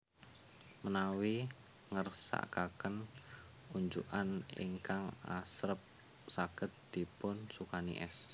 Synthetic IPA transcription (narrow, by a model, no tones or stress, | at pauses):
mənawi | ŋərsa̰ʔkakən | uɲd͡ʒuʔanḭŋkaŋasɾəp̚ | saɡ̥ə̤t̪̚d̪̥i̤pʊnsukanḭʔɛs